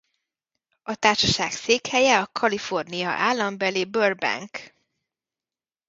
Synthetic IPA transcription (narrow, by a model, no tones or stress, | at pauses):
ɒt̪aːʃɒʃaːkseːkhɛjɛɒkʰɒlifo̞rnijɒ̰ʔaːlːɒmbɛlibøːrbɛ̰ŋk